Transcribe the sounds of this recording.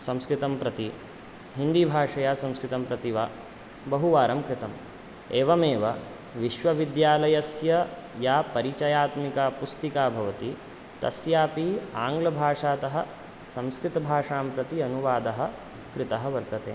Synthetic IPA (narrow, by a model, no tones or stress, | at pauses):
sɐ̃mskɾɪt̪ɐmpɾɐt̪i | ɦind̪ibʱaːʂɐjaːsɐ̃mskɾɪt̪ɐmpɾɐt̪iʋaː | bɐɦuʋaːɾɐmkɾɪt̪ɐm | eːʋɐmeːʋɐ | ʋiʃʋɐʋid̪jaːlɐjɐsjɐ | jaːpɐɾit͡ʃɐjaːt̪mikaːpust̪ikaːbʱɐʋɐt̪i | t̪ɐ̰sjaːpiaːŋɡlɐbʱaːʂaːt̪ɐɦɐ̆ | sɐ̃mskɾɪt̪ɐbʱaːʂaːmpɾɐt̪iɐnuʋaːd̪ɐɦɐ̆ | kɾɪt̪ɐɦɐʋɐɾt̪ɐt̪ḛː